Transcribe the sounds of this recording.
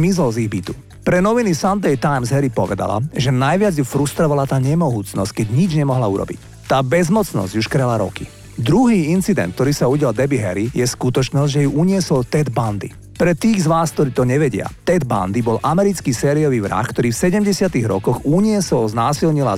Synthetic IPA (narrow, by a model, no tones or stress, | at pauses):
mizlɔziɣbit̪u̥ | pɾɛnɔʋinisand̪ɛjt̪ajmzɦɛɾipɔʋɛd̪a̰la̰ʒɛnajʋɪad͡zjufɾust̪ɾɔʋalat̪aːɲɛmɔɦuːt͡snɔ̰sckɛɟɲid͡ʒɲɛmɔɦlauɾɔ̰bḭc | t̪aːbɛzmɔt͡snɔ̰zɟuʃkɾɛlaɾɔ̰ki | d̪ɾuɦiːint͡sid̪ɛ̰nt̪̚t̪ɔɾiːsauɟɪjald̪ɛbiɦɛɾijɛskut̪ɔt͡ʃnɔzɟʲʒɛjuʔuɲɪɛsɔlt̪ɛd̪band̪ḭ | pɾɛt̪iːɣzʋaːsk̚t̪ɔɾiːt̪ɔɲɛʋɛɟɪa̰t̪ɛd̪ba̰nd̪ibɔlʔamɛɾit͡skiːsɛːɾiɔʋiːʋɾa̰xkt̪ɔɾiːfsɛɟɛmɟɛsɪat̪iɣɾɔ̰kɔɣuɲɪɛsɔlznaːsilɲila̰